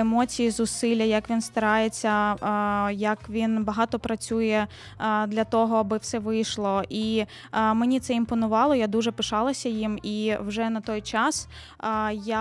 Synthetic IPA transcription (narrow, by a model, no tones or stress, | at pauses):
emɔt͡sʲijizʊsɪlʲːɐjɐkʋʲinst̪ɐɾɑjet͡sʲːɐ | jɐkʋʲinbɐɦɑt̪ɔpɾɐt͡sʲujɛ | d̪lʲɐt̪ɔɦɔɐbɪwsɛʋɪjʃlˠɔʔi | menʲit̪sɛimpɔnʊʋɑlˠɔjad̪uʒɛpɪʃɑlˠɐsʲɐjimiwʒɛnɐt̪ɔjt͡ʃɑs | ja